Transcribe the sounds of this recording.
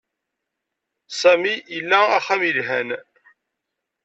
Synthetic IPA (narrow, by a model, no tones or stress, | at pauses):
sæmiəlːææχæmilɦæn